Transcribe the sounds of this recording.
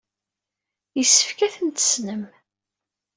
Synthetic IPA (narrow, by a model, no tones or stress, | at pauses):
jəsːə̥fkæθənt̪ə̥snəm